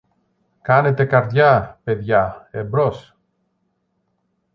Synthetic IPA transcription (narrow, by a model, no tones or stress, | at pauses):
kɐne̞t̪e̞kɐɾðʝapeðʝaebɾos